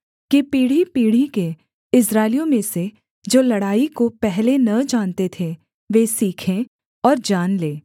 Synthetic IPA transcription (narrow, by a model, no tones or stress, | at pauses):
kipiːɽ̤ipiːɽ̤ike | ɪsɾaːɪlijõmẽse | d͡ʒoːlɐɽaːikopɛɦlenɐd͡ʒaːnt̪et̪ʰe | ʋeːsiːkʰẽ | ɔːɾd͡ʒaːnleː